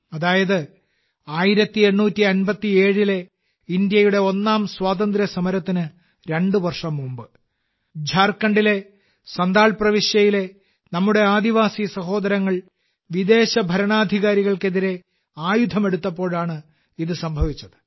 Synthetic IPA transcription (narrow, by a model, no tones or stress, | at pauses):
ɐðaːjɐðɨ | aːjiɾɐt̪ːie̞nːuːtːiɐnbɐt̪ːie̞ːɻile̞ | ind̪jɐjuɽe̞o̞nːaːmswaːðɐnd̪ɾjɐsɐmɐɾɐt̪ːinɨ | ɾe̞ɳɖɨʋɐrʂɐmːumbɨ | d͡ʑʱaːrkːɐɳɖile̞ | sɐnd̪aːɭprɐʋiʂjɐjile̞ | nɐmːuɽe̞aːd̪iʋaːsisɐɦo̞ːd̪ɐɾɐŋːɐɭ | ʋid̪e̞ːɕɐbʱɐɾɐɳaːd̪ʱiɣaːɾiɣɐɭke̞ðiɾe̞ | aːjud̪ʱɐme̞ɽut̪ːɐpːo̞ːɭaːɳɨ | iðɨsɐmbʱɐʋit͡ɕːɐðɨ̥